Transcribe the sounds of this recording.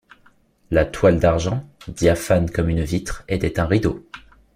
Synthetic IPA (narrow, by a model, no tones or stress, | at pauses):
lat̪wald̪aʁʒɑ̃d̪jafankɔmynvit̪χet̪ɛt̪ɛ̃ʁid̪o